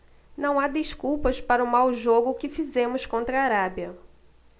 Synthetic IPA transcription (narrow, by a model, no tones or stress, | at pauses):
nɐ̃w̃ad̪ɪʃkuwpɐspaɾɐʊmawʒoɡʊkɪfizẽmʊskõnt̪ɾɐːɾabiɐ